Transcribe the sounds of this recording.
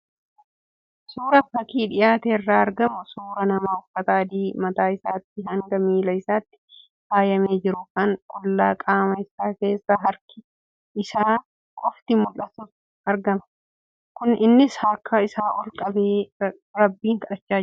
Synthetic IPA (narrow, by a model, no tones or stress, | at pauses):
suːɾɐfɐkiːᶑɪjaːt̪eːɪrːaːɐɾɡɐmʊsuːɾɐnɐmaːʊfɐt̪aːd̪iːmɐt̪aːɪsaːt̪ːɪɦɐŋɡɐmiːlɐɪsaːt̪ːɪ̥ | haːjɐmeːd͡ʒɪɾʊkɐnkʼʊlːaːkʼaːmɐɪsaːke̞ːsːaɦɐɾkɪ̥ | ɪsaː | kʼɔft̪ɪmʊlːɐsʊs | ɐɾɡɐmɐ̥ | kʊnɪnːɪshɐɾkʰːɐɪsaːʔɔlkʼɐbeː | ɾɐbːiːŋkɐᶑɐt͡ʃːaː